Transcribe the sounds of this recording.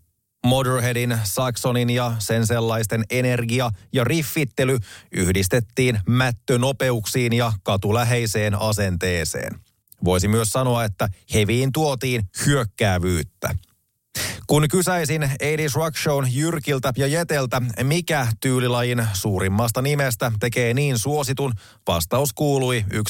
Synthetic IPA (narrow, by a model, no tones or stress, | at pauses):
mo̞deɹɦe̞dinsɑkso̞ninjɑse̞nse̞lːɑjst̪e̞ne̞ne̞rɡiɑjɑrifːit̪ːe̞lyyhdist̪e̞t̪ːiːnmæt̪ːøno̞pe̞uksiːnjɑkɑt̪ulæɦe̞jse̞ːnɑse̞nt̪e̞ːsḛːn | ʋo̞jsimyøsːɑno̞ɑe̞t̪ːæhe̞ʋiːnt̪uo̞t̪iːnhyøkːæːʋyːt̪ːæ̰ | kunkysæjsinejdisrɑkʃonjyrk̟ilt̪æjɑje̞t̪e̞lt̪æmikæt̪yːlilɑjinsuːɾimːɑːst̪ɑnimest̪æt̪e̞ke̞ːniːnsuo̞sit̪un | ʋɑ̰st̪ɑuskuːluiyk